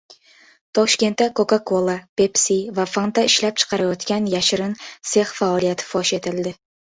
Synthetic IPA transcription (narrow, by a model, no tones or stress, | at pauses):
t̪ʰɒʃkʲe̞nt̪ːakʰokakʰolˠapepsivafont̪aɪʃlap̚t͡ʃʰɨ̥qʰɑɾajɒt̪kʲanjaʃɪɾɪnse̞χfaɒlˠijat̪ʰɪ̥fɒʃe̞t̪ʰɪld̪ɪ